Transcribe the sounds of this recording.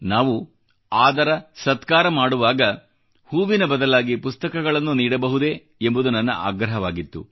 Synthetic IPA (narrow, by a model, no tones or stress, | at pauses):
naːʋu | aːd̪ɐɾɐsɐt̪kaːɾɐmaːɽuʋaːɡɐ | huːʋinɐbɐd̪ɐlaːɡipust̪ɐkɐɡɐɭɐnːuniːɽɐbɐɦud̪e̞ | embud̪unɐnːɐ̰ʔa̰ːɡɾɐɦɐʋaːɡit̪ːṵ